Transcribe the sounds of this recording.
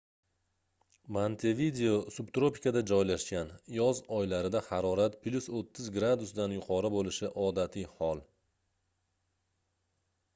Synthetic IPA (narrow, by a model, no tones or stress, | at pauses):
mant̪ʰevid̪e̞osʊbt̪ɾopi̥kʲʰad̪ad͡ʒɒjlaʃkʲanjɒzɒjlaɾɪd̪ahaɾɒɾat̪pʰlʲusot̪ʰːɪzɡɾad̪ʊsd̪anjʊqʰɒɾɪbolɪʃɪʔɒd̪at̪ʰijhɒlˠ